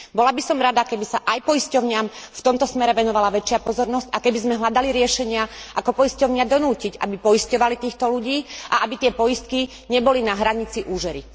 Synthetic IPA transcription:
bɔlabisɔmɾad̪akɛbisaʔajpɔiscɔʊɲɪamft̪ɔmt̪ɔsmɛɾɛʋɛnɔʋalaʋɛt͡ʃɪapɔzɔɾnɔscakɛbizmɛɦlad̪aliɾɪɛʃɛɲɪaʔakɔpɔjiscɔʊɲɪad̪ɔnuːcica̰bipɔjiscɔʋalit̪iːxt̪ɔluɟiːʔaʔabit̪ɪɛpɔjist̪̚ki | ɲɛbɔlinaɦɾaɲit͡siʔuːʒɛɾi

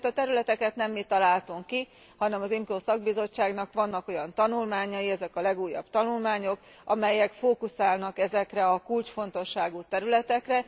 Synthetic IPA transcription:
t̪ɒt̪ɛɾylɛt̪ɛkɛt̪nɛmːit̪ːɒlaːlt̪uŋkːi | hɒnɛmɒzimkoːsɒɡ̚bizo̞t͡ʃːaːɡnɒkʋɒnːɒko̞jɒnt̪ɒnulmaːɲɒjiɛzɛkɒlɛɡuːjːɒ̰bt̪ɒnulmaːɲo̞k | ʔɒmɛjɛkfoːkusaːlnɒkɛzɛkrɛɒkult͡ʃfo̞n̪t̪o̞ʃːaːɡut̪ɛɾylɛt̪ɛkrɛ

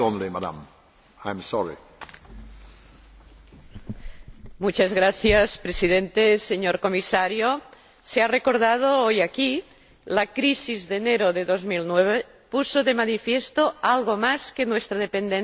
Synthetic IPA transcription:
õnlimad̪a̰m | ajmsɔɹḭ | mut͡ʃazɣɾaθjaspɾesið̞ent̪eseɲoɾkomisaɾjo | searekoɾð̞að̞oojaki | lakɾisizðeneɾoðeðozmilnweβ̞e | pusoðemanifjest̪oalɣomaskenwest̪ɾaðepend̪e

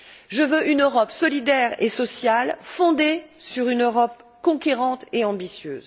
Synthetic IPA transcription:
ʒəvøʔynøʁɔpsɔlid̪ɛʁḛsɔsjalfɔ̃d̪esyʁynøʁɔp̚kɔ̃kʲeʁɑ̃t̪eɑ̃bisjø̰ːz

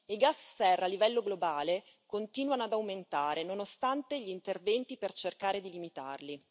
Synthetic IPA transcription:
iɡasːɛrːalːivɛlːoɡlobaːle | kont̪iːnwanoad̪awment̪aːɾʔenonost̪ant̪eʎint̪ervɛnt̪ipert͡ʃerkaːɾed̪ilimit̪a̰rli

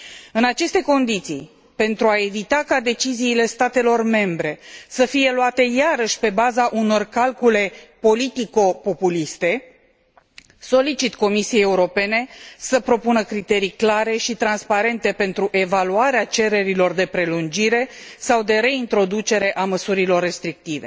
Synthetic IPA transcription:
ɨnat͡ʃe̞st̪e̞ko̞nd̪it̪sḭj | pe̞nt̪ɾuae̞vit̪akad̪e̞t͡ʃiziːle̞st̪at̪e̞lo̞rme̞mbɾe̞səfije̞luat̪e̞jaɾəʃʲpe̞bazaʔuno̞rkalkule̞po̞lit̪iko̞po̞pulist̪e̞ | so̞lit͡ʃit̪ko̞misiejeuɾo̞pe̞ne̞səpɾo̞punəkɾit̪e̞ɾijklaɾe̞ʃit̪ɾanspaɾe̞nt̪e̞pe̞nt̪ɾuʔe̞valuaɾeat͡ʃe̞ɾe̞ɾilo̞rd̪e̞pɾe̞lund͡ʒiɾe̞sawd̪e̞ɾe̞int̪ɾo̞d̪ut͡ʃe̞ɾe̞ʔaməsuɾilo̞rːe̞st̪ɾik̚t̪ive̞

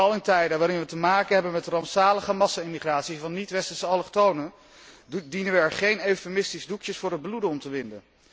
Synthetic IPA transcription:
ɑlˠɪntɛjdəʋaːɾɪnʋətəmaːkənɦɛbənmɛtrɑmpsaːləχəmɑsaɪmiχraːtsivɑnːitʋɛstəsəɑlˠəχtownən | dinənʋəɛɹχejneɥfemɪstizdukjəsfʊːɾɦəd̚bludənɔmtəʋɪndə̰n

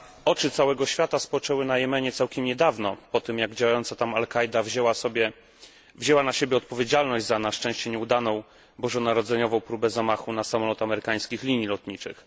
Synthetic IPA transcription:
ɔt͡ʂɘt̪sawɛɡɔɕfʲjat̪aspɔt͡ʂɛwɘnajɛmɛɲɛt̪sawkʲɛmɲɛd̪avnɔpɔt̪ɘmjaɡd͡ʑawajɔnt̪sat̪amalkajd̪avʑɛwasɔbʲjɛ | vʑɛwanaɕebʲjɛɔt̪̚pɔvʲjed͡ʑalnɔʑd͡ʑʲzanaʂt͡ʂɛ̃w̃ɕt͡ɕɛɲɛud̪anɔ̃w̃ | bɔʐɔnaɾɔd̪zɛɲɔvɔ̃w̃pɾubɛzamaxunasamɔlɔt̪amɛɾɘkaj̃skʲixlʲiɲːilɔt̪ɲit͡ʂɘ̰x

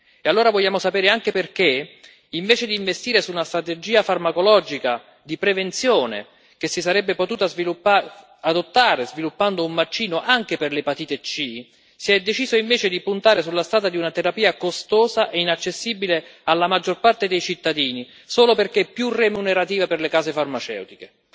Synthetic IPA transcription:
ealːoːɾavoʎːaːmosapeɛːɾeaŋk̟eperke | iɱveːt͡ʃed̪iːɱvest̪iːɾesuːnast̪ɾat̪ed͡ʒiːafarmakolɔːd͡ʒika | d̪ipɾevent̪sjoːnḛ | k̟esːisaɾɛbːepot̪uːt̪azvilupːa | ad̪ot̪ːaːɾezvilupːand̪oummat͡ʃːiːnoʔaŋk̟eperlepat̪iːt̪et͡ʃi | siɛd̪ːet͡ʃiːzoiɱveːt͡ʃed̪ipunt̪aːɾesulːast̪ɾaːt̪ad̪iunat̪eɾapiːakost̪oːzaʔeinat͡ʃːesːiːbilealːamad͡ʒːorpart̪ed̪ejt͡ʃit̪ːad̪iːni | soːloperkepːjuremuneɾat̪iːvaperlekaːsefarmat͡ʃɛ̰wt̪ike

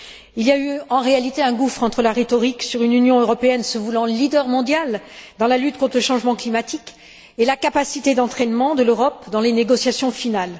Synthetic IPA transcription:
ilijayɑ̃ʁealit̪eɛ̃ɡufχɑ̃t̪χəlaʁet̪ɔʁiksyʁynynjɔ̃øʁɔpeɛnsəvulɑ̃lid̪œʁmɔ̃d̪jald̪ɑ̃lalyt̪̚kɔ̃t̪χələʃɑ̃ʒmɑ̃klimat̪ik | elakapasit̪ed̪ɑ̃t̪χɛnmɑ̃d̪əløʁɔpd̪ɑ̃leneɡɔsjasjɔ̃final

